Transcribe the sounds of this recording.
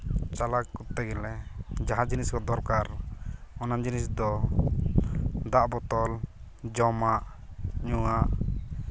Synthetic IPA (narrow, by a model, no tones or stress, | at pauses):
t͡ʃalakut̪ːɛɡɛlɛd͡ʒaɦãd͡ʒiniskɔd̪ɔɾkaɾɔnand͡ʒinisd̪ɔ | d̪aʔbɔt̪ɔl | d͡ʒɔmaʔ | ɲuaʔ